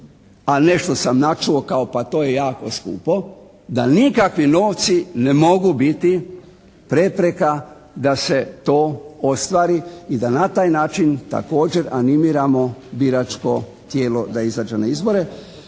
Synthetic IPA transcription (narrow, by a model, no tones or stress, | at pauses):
ane̞ʃt̪osamnat͡ʃuo̞kaopat̪oːje̞jaːko̞skṵːpo̞ | d̪anikakʋino̞ːʋt̪sine̞mo̞ɡubit̪i | pɾe̞pɾe̞ka | d̪ase̞t̪o̞ːost̪ʋaːɾiid̪anat̪aːjnaːt͡ʃint̪a̰ko̞ːd͡ʒe̞ɾanimiɾamo̞biɾat͡ʃko̞ | t̪je̞ːlo̞d̪aizaːd͡ʒenaizboɾe̞